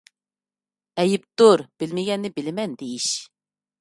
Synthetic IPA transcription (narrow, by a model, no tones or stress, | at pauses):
ɛjɪp̚t̪uɾb̥ɪlmɪɡʲɛnːɪbɪlɪmɛnd̪ejiʃ